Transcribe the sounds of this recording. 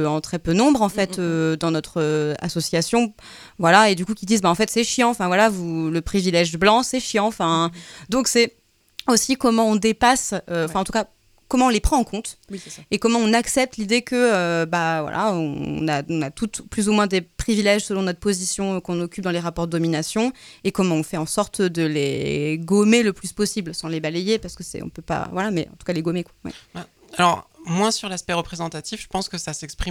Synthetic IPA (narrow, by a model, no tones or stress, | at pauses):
ɑ̃t̪χɛpønɔ̃bʁɑ̃fɛt̪ød̪ɑ̃nɔt̪χøa̰sɔsjasjɔ̃ | vwalaed̪ykukʲid̪izbaɑ̃fɛt̪sɛʃjɑ̃ɑ̃fɛ̃vwalavuləpχivilɛʒblɑ̃sɛʃjɑ̃fɛ̃d̪ɔ̃ksɛ | osikɔmɑ̃ɔ̃d̪epasø̃fɛ̃ɑ̃t̪uka | kɔmɑ̃ɔ̃lepχɑ̃ɑ̃kɔ̃t̪wiekɔmɑ̃ɔ̃naksɛp̚t̪lid̪ekəøbavwa̰lʔa̰ɔ̃naɔ̃nat̪ut̪plyzumwɛ̃d̪epχivilɛʒsəlɔ̃nɔt̪χpozisjɔ̃kɔ̃nɔkʲyp̚d̪ɑ̃leʁapɔʁd̪əd̪ɔminasjɔ̃ekɔmɑ̃ɔ̃fɛɑ̃sɔʁt̪d̪əlḛɡomeləplyspɔsiblsɑ̃lebalejepaʁsə̥kəsɛ̰ɔ̰̃pøpa̰vwalamɛʔɑ̰̃t̪u̥kaleɡomekwawɛ̰a | alɔʁmwɛ̃syʁlaspɛʁəpχezɑ̃t̪at̪ifʒ̥əpɑ̃skəsasɛkspχim